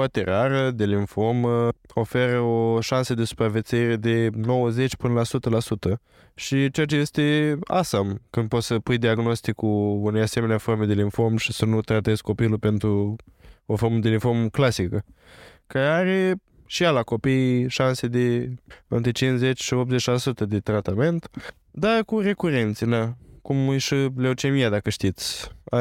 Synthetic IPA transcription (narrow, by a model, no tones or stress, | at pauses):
art̪eraɾəd̪e̞liɱfo̞məo̞fe̞ɾəo̞ʃansəd̪esu̥pɾave̞t̪seiɾe̞d̪e̞no̞wəze̞t͡ʃʲpɨnəlasut̪əlasut̪ə | ʃit͡ʃeat͡ʃeje̞st̪e̞a̰samkɨnd̪̚po̞t̪səpujd̪iaɡno̞st̪ikuune̞jase̞me̞neaformed̪e̞liɱfo̞mʃisənut̪ɾat̪ezko̞pilupe̞nt̪ɾu | oforməd̪eliɱfo̞rmklasikə | kaɾeaɾe | ʃialako̞pijʃansed̪eɨ̰nt̪ɾet͡ʃinsze̞t͡ʃʲʃiop̪̚ze̞t͡ʃlasut̪əd̪e̞t̪ɾat̪ame̞nt̪ | d̪akure̞kuɾe̞nt̪sinakumɨjʃileut͡ʃemijad̪akəʃt̪it̪sʲa